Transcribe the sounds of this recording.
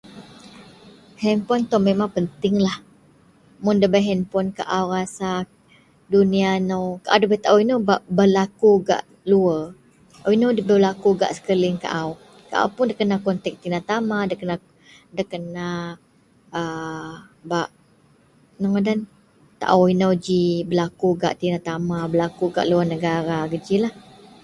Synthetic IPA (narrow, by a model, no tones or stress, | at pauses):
hɛmpɔnt̪ɔmemaŋpənt̪ɪŋlah | mʊndəbaɦɛnpɔnka̰ʔawrasak̚ | dunianowkaʔawdəbat̪aʔawinobaʔbəlakuɡa̰ʔ | luə | awinodəbəbəlakuɡa̰ʔsə̥kəliŋka̰ʔaw | ka̰ʔa̰wpʊndəkənakɔnt̪ɛk̚t̪inat̪amadəkəna | dəkəna | ə | baʔ | naŋadan | t̪a̰ʔawinəd͡ʒibəlakuɡa̰ʔt̪inat̪amabəlakuɡa̰ʔluənəɡaɾaɡəd͡ʒilah